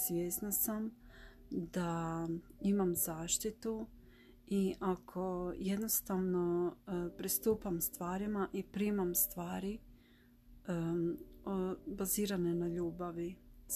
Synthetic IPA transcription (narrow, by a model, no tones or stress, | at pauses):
sʋʲjeːsnasam | d̪a | imamzaːʃt̪it̪u | iʔakʰo̞jed̪nost̪aʋno̞pɾist̪uːpamst̪ʋaːɾimaʔipɾiːmamst̪ʋaːɾi | baziːɾanenaʎuːbaʋi